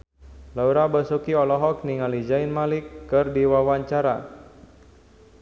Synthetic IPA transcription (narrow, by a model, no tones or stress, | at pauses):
lauɾabəsukiɔlɔɦɔk̚niŋalid͡ʒainmalɪkːɨrdiwawaɲt͡ʃaɾa